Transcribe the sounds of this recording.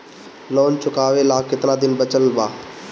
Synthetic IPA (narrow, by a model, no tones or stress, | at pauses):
loːnt͡ʃʰʊkaːʋelaːkɪt̪naːd̪ɪnbət͡ʃəlbaː